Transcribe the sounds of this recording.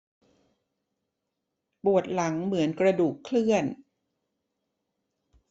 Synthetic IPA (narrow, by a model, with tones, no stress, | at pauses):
pu˨˩ət̪̚la˩˦ŋmɯ˩˦ənkɾa˧duː˨˩kʰlɯ˥˩ən